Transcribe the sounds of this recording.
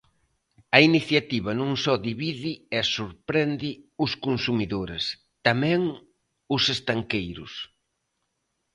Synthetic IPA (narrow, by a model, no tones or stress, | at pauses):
ɐiniθjat̪iβɐnũŋsɔd̪iβiðɪɛsuɾpɾɛnd̪ɪʊskonsumiðoɾɪs | t̪amɛ̃ŋ | ʊsest̪aŋkejɾʊ̰s